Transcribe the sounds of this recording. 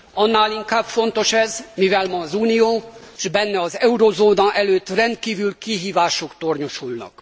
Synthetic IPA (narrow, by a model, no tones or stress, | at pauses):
ɒnːaːliŋkaːbfo̞nt̪o̞ʃɛzmivɛlmɒːzuːnijoːʒbɛnːɛɒzɛuɾozoːnɒʔɛløːt̪ːrɛnt̪̚kiːvylkiɦiːvaːʃo̞kt̪o̞rɲoʃulnɒ̰k